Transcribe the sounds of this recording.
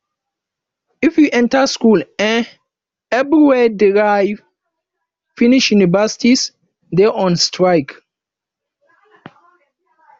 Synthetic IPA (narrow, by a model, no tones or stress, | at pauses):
ifjuʔɛ̃ntaskulɛ̃n | ɛvɹiwɛdiɹav | finiʃjunivɛsi̥tis | dɛʔɔ̃nstʰɹaɪk